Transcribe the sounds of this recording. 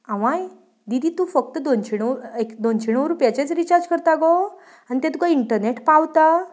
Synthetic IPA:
ãʋãj | d̪id̪ʱiːt̪ufək̚t̪əd̪ont͡ɕʰiɳ̃əʋekd̪ont͡ɕʰiɳəʋɾupjat͡ɕat͡sɾit͡ɕaɾd͡ʑkəɾt̪aɡo | anit̪ãt̪ukaiɳʈəɾneʈpawt̪a

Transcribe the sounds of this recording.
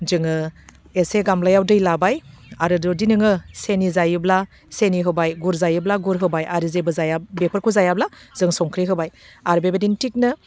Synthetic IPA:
zɯŋɯ | eseɡamlajawdɯjlabaj | aɾɯdɔdinɯŋɯsenizajɯbla | seniɦɯbajɡuɾzajɯblaɡuɾɦɯbajaɾizebɯzajabepʰɯɾkʰuzajablaz̥ɯŋsɔŋkʰɾiɦɯbajaɾbebedintik̚nɯ

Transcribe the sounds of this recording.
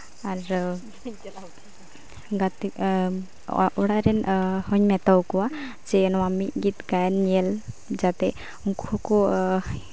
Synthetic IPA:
aɾ | ɡat̪i | ɔɽaɾɛnhɔɲmɛt̪awkuwa | d͡ʒɛnwamiʔɡit̪ɡajnːiɛl | d͡ʒat̪ɛ | uŋkʰɔkɔ

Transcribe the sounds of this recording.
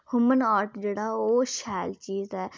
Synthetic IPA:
hʊmənaːɾʈd͡ʒeːɽaːoːʃɛːlt͡ʃiːzɛː

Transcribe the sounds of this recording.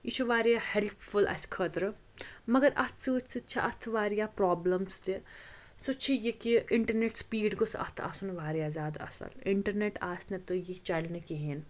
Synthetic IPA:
it͡ʃʰuʋaːɾjahelpfʰulʔɐ̰skʰɐt̪ɾ | mɐɡɐɾʔɐt̪ʰsɨsɨt͡ʃʰaʔɐt̪ʰʋaːɾijapɾaːblɐmst̪i | sut͡ʃʰijekiɪɳʈɐɾneʈspiːɖɡʊsʰɐ̰t̪ʰɐ̰sunʋaːɾijaːzjaːd̪aɐ̰sɐ̰lɪɳʈɐɾneʈaːsnɐt̪ojit͡ʃɐlnɨkiɦeːn

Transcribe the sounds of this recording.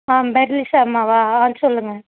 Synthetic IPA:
aːmbɛɾlɪsaːmːaʋaːaːnɯsɔlːɯŋɡɐ

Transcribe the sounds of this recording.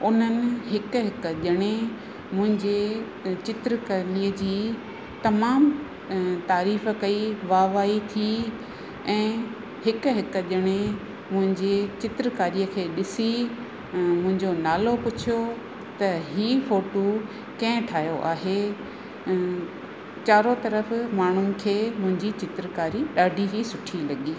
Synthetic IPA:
ʊn̤ənɪ̆ɦɪkɦɪkʄəɽ̃e | mʊ̃ɦɪ̃ɲd͡ʑe | t͡ɕɪt̪ɾəkaːliːəd͡ʑiː | t̪ɐmaːm | t̪aːɾiːf̆kɐiʋaːʋaːit̪ʰi | ɛ̃ː | hɪkʊɦɪkʄəɽ̃e | mʊ̃ɦɪ̃ɲd͡ʑet͡ɕɪt̪ɾəkaːɾiəkʰeːɗɪsi | mʊ̃ɦɪ̃ɲd͡ʑonaːlopʊt͡ɕʰijo | t̪ɐɦiːfoːʈu | kɐ̃ɦɪ̃ʈʰaːjoʔaːɦe | t͡ɕaːɾot̪ɐɾəfmaːɳ̤ʊɪ̆kʰeːmʊ̃ɦɪ̃ɲd͡ʑit͡ɕɪt̪ɾəkaːɾiɗaːɖʱiɦisʊʈʰilɐɠiː

